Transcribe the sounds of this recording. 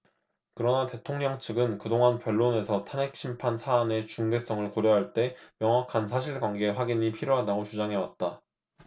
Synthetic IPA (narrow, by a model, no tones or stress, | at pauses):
kɯɾʌnate̞tʰoŋɲʌŋt͡ɕʰɯɡɯnkɯdoŋanpjʌɭːone̞sʰʌtʰanek̚ɕ͈ʰimpʰansʰaːne̞t͡ɕuŋde̞s͈ʌŋɯɭkoɾjʌɦaɭt͈e̞mjʌŋwakʰansʰaɕ̬ʰiɭɡwaŋɡe̞ɸwaɡiɲipʰiɾjoɦadaɡot͡ɕud͡ʑaŋɦe̞wa̰t̚t͈a